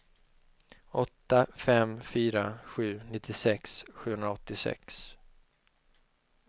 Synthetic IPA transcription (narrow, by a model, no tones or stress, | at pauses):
ɔt̪ːafɛmfyːɾaɧʉ̟ːnɪt̪ʰːɪsɛksɧʉ̟ːhɵnɾaɔt̪ːɪsɛ̰ks